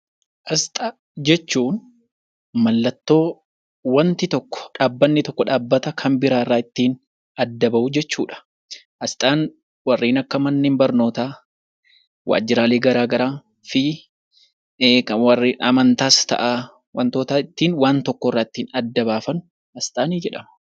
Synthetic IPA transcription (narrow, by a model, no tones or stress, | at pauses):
ʔɐst̪ʼɐ | d͡ʒɛt͡ʃːuːn | mɐlːɐt̪ːo̞ː | wɐnt̪ɪt̪ɔkːɔ̥ᶑaːbːɐnːɪt̪ɔkːɔᶑaːbːɐt̪ɐkʰɐmbɪɾaːɪrːaːɪt̪ːiːn | ɐd̪ːɐbɐʔʊd͡ʒɛt͡ʃːuːᶑɐ̥ | ʔɐst̪ʼaːn | wɐrːiːnɐkːɐmɐnːeːmbɐɾno̞ːt̪aː | wʔa̰ːd͡ʒːɪɾaːleːɡɐɾaːɡɐɾaːn | fɪ | kɐwɐriɐmɐnt̪aːst̪ɐ̰ʔa | wɐnt̪oːt̪aːɪt̪ːiːnwaːnt̪ɔkːɔɪrːaːɪt̪ːiːnɐd̪ːɐbaːfɐnʊ | ɐst̪ʼaːniːd͡ʒɛᶑɐmɐ̥